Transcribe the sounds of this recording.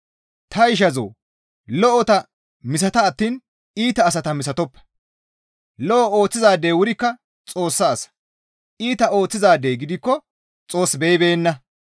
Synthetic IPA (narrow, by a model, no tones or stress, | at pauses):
t̪ɐɪʃ̬ɐzo̰ː | lɔʔɔt̪ɐ | mɪs̬ɐt̪ɐːt̪ːiːn | iːt̪ɐːs̬ɐt̪ɐmɪsɐt̪ɔpːɛ̥ | lɔʔɔo̞ːt͡sːɪzaːd̪eːwʊɾɪkːɐ | t͡sʼo̞ːsːɐːsɐ̥ | ʔiːt̪ɐo̞ːt͡sːɪzaːd̪ːejɡɪd̪ɪkːɔ | t͡sʼo̞ːsbejbe̞ːnːɐ